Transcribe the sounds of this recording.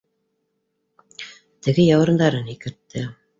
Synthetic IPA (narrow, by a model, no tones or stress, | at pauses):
t̪ɘ̆ɡɘjɑwɾɤ̆nd̪ɑɾɤnikɘ̆ɾt̪ːɘ